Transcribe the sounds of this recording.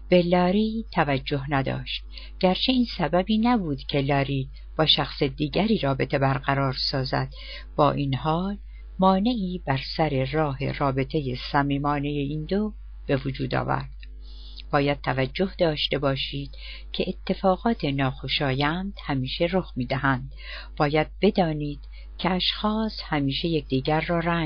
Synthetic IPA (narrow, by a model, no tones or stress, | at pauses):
b̥e̞lɒːɾiːt̪ʰævæd͡ʒːo̞ɦnæd̪ɒ̰ːʃt̪̚ | ɟ̥æɾt͡ʃʰe̞iːnsæbæbiːnæbuːd̪cʰe̞lɒːɾiː | b̥ɒːʃæxse̞d̪iːɟæɾiːɾɒːbe̞t̪ʰe̞bæɾɢæɾɒːɾsɒːzæ̰d̪̥ | b̥ɒ̰ːʔinhɒːl | mɒːne̞ʔiːbæɾsæɾe̞rɒːhe̞̰rɒːbe̞t̪ʰe̞je̞sæmiːmɒːne̞je̞iːnd̪o | b̥e̞vod͡ʒuːd̪ɒ̰ːvæ̰ɾd̪̥ | b̥ɒːjæd̪̥̚t̪ʰævæd͡ʒːo̞hd̪ɒːʃt̪e̞bɒːʃiːd̪̥ | cʰe̞ʔːt̪ʰːe̞fɒːɣɒːt̪ʰe̞nɒːxo̞ʃɒːjænd̪̥hæmiːʃe̞ɾoxmiːd̪æɦænd̪̥ | b̥ɒːjæd̪̥̚be̞d̪ɒːniːd̪̥ | cʰeæʃxɒːshæmiːʃe̞jec̚ʰʲd̪̥iːɡɟæɾːɒːræŋ